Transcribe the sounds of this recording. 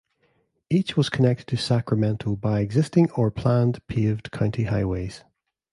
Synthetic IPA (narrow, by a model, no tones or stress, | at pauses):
it͡ʃwɔz̥kʰənɛk̚tɪd̚tʰəsakɹəmɛ̃ntʰəlˠbaɪɛɡzɪstɪ̃ŋə˞pʰl̥ãndpʰevd̥kʰãʊ̃ntʰiɦaɪwez̥